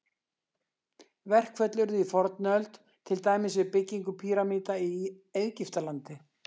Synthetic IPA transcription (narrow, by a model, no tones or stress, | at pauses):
vɛr̥kʰvœt̪lʏɾðʏifɔɾt̪nœlt̪ | t̪ʰːɪlt̪aːjmɪsvɪðpɪcːiŋkʏpʰiːɾamiːt̪ai | ejðcɪft̪alant̪ɪ